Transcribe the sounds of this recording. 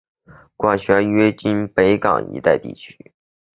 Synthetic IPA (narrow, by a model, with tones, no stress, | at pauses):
kwa˥˩ɕɥɛ˧˥ɥɛ˥t͡ɕi˥npe˧˥ɪkɑ̰˨˩ŋḭ˧˥t̪a˥˧ɪt̪ḭ˥˩t͡ɕʰy̥˥